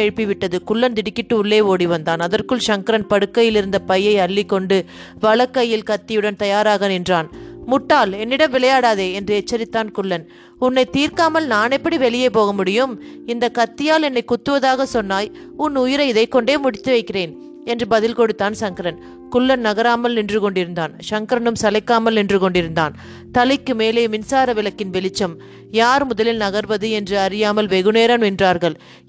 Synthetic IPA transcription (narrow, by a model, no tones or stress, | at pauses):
ɛɻpiʋɪʈːɐðɯkʊɭːɐnd̪ɪɽɪkːɪʈːɯʊɭːeːoːɽiʋɐnd̪aːnɐðɐrkɯɭʂɐŋkɐɾɐnpɐɽɯkːɐjɪlɪɾɯnd̪ɐpɐjːɐɪɐɭːiɪkːɔɳɖɯ | ʋɐɭɐkːɐjːɪlkɐt̪ːɪjɯɽɐnt̪ɐjaːɾaːɣɐnɪndraːnmʊʈːaːlɛnːɪɽɐmʋɪɭɐjaːɽaːðeːɛndrɯɛt͡ʃt͡ʃːɐɾɪt̪ːaːnkʊɭːɐn | ʊnːɐɪt̪iːɾkaːmɐlnaːnɛpːɐɽiʋɛɭɪjeːpoːɣɐmʊɽɪjɯmɪnd̪ɐkɐt̪ːɪjaːlɛnːɐɪkːʊt̪ːɯʋɐðaːɣɐsɔnːaːj | ʊnːʊjɪɾɐɪðɐɪkːɔɳɖeːmʊɽɪt̪ːɯʋɐɪkːɪreːn | ɛndrɯbɐðɪlkɔɽɯt̪ːaːnsɐŋkɐɾɐn | kʊɭːɐnnɐɣɐɾaːmɐlnɪndrɯkɔɳɖɪɾɯnd̪aːnʂɐŋkɐɾɐnɯmsɐlɐɪkːaːmɐlnɪndrɯkɔɳɖɪɾɯnd̪aːn | t̪ɐlɪkːɯmeːleːmɪnsaːɾɐʋɪlɐkːɪnʋɛlɪt͡ʃːɐm | jaːɾmʊðɐlɪlnɐɣɐɾʋɐðɯɛndrɯɐɾɪjaːmɐlʋɛɣɯneːɾɐnɪndraːɾɣɐɭ